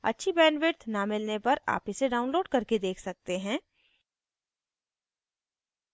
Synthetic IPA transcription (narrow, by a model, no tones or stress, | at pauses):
ɐ̰tːʃʰibɛːnʋɪɾt̪namɪlnepɐɾa̰ːpɪseɖaːʊ̃nloːɖkɐɾked̪eːkʰsɐk̚t̪eɦɛ̃ː